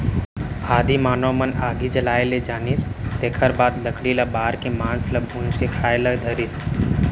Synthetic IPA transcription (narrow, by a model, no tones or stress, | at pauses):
aːd̪ʱimaːnomənaɡid͡ʒəlajled͡ʒaːnist̪ekʰəɾbaːd̪ləkɽilabaːɾkimaːnslabʱũːnskekʰaːjlad̪ʱəɾis